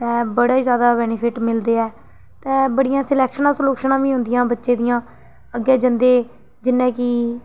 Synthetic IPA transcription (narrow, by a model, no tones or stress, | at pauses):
t̪ɛ̃ːbəɽaːizjaːd̪aːbɛːnɪpʰɪʈmɪld̪eːɛː | t̪ɛ̃ːbəɽɪjãːsɪlɛːkʃənãːsəloːkʃənãːʋiːɦʊ̃nd̪ɪijãːbətːʃeːd̪ijãː | əɡɛːd͡ʒənd̪eː | d͡ʒɪnːɛ̃ːkɪː